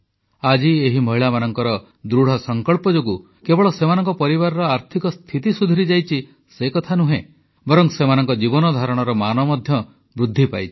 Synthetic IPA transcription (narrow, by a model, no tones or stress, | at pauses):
ad͡ʒieɦimɔɦiɭamanɔŋkɔɾɔ | d̪ɾuɽ̤ɔsɔŋkɔɭpɔd͡ʒoɡu | kebɔɭɔsemanɔŋkɔpɔɾiβaɾɔɾɔaɾt̪ʰikɔst̪ʰit̪isud̪ʱɔɾid͡ʒajt͡ʃʰi | sekɔt̪ʰanuɦẽ | bɔɾɔŋsemanɔŋkɔd͡ʒibɔnɔd̪ʱaɾɔɽ̃ɔɾɔmanɔmɔd̪ʱjɔ | bɾud̪ʱːipa̰jt͡ʃʰi̥